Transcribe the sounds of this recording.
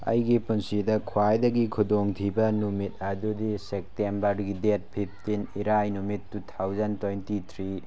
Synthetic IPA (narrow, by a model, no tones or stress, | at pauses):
ɐ̰jɡipunsidɐkʰuwajdɐɡikʰudoŋtʰibɐnumit̚ɐdudisek̚tembɐɾɡidet̚pʰip̚ʰtiniɾajnumitːutʰawzɐntojntitʰɾi